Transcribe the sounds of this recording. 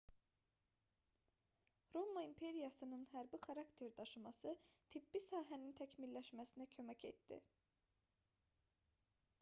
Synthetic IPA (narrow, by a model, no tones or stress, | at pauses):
ɾomɑimpʰe̞ɾijɑsɯnɯnɦæɾbixɑɾɑkt̪ʰe̞ɾd̪ɑʃɯmɑsɯt̪ʰibːisɑːɦænint̪ʰæcʰminlːæʃmæsinæcʰø̞mæcʰe̞̰t̪d̪ḭ